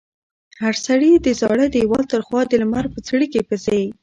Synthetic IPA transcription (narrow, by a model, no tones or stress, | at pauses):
haɾsaɽid̪əzɑɽəd̪əjwɑlt̪əɾxwɑd̪əlmaɾpət͡sɽikepəze